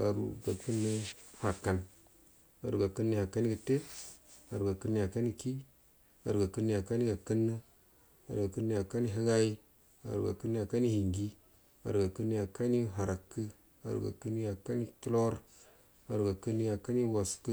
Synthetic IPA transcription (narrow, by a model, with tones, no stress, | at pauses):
a˨ɾṵ˨ɡa˨kɨ˦nːə˦ha˨kːa˨n | a̰˨ɾu˨ɡa˨kə˦nːə˦ha˨ka˦ni˦ɡə˨te˦a˨ɾu˨ɡa˨kɨ˦nːə˦ja˨ka˦ni˦ki˦ | a̰˨ɾu˨ɡa˨kɨ˦nːə˦ja˨ka˦ni˦ɡa˨kə˦nːə˦ | a˨ɾu˨ɡa˨kə˦nːə˦ja˨ka˦ni˦ɦə˦ɡa˦i˦ | a̰˨ɾṵ˨ɡa̰˨kɨ˦nːə˦ja˨ka˦ni˦hi˨ŋɡi˦ | a̰˨ɾu˨ɡa˨kə˦nːə˦ja˨ka˦ni˦ɦa˨ɾa˨kːə˦ | a̰˨ɾṵ˨ɡa̰˨kə˦ni˦ja˨ka˦ni˦tlo˦ɾ | a˨ɾu˨ɡa˨kə˦nːə˦ja˨ka˦ni˦wa˨skɨ˦